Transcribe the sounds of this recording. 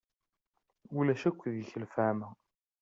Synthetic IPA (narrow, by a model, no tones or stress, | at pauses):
ulæʃækʷːðəçəlfæmæ